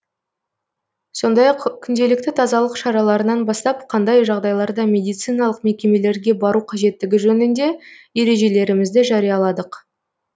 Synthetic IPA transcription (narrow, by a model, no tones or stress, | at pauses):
so̞nd̪ɑjɑqkʲʰʏnd̪e̞lɪk̚t̪ɪt̪ʰɑzɑlˠəqʃɑɾɑlˠɑɾənɑnbɑst̪ɑp̚qʰɑnd̪ɑjʒɑʁd̪ɑjlˠɑɾd̪ɑmʲe̞d̪ijt̪sɨjnɑlˠəqme̞kʲe̞me̞le̞ɾɡʲe̞bɑɾuqʰɑʒe̞t̪ːɪɡʲɪʒɵnɪnd̪e̞je̞ɾe̞ʒe̞le̞ɾɪmɪzd̪ɪʒɑɾijɑlˠɑd̪əq